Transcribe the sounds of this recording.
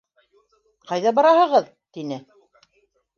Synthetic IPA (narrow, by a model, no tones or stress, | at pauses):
qɑjðɑbɑɾɑhɤ̆ʁɤð | t̪inɘ